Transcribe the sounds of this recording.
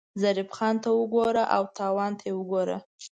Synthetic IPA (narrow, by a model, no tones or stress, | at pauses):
zaɾɪfxɑnt̪awəɡoɾaʔawt̪ɑwɑnt̪ʰajewəɡoɾa̰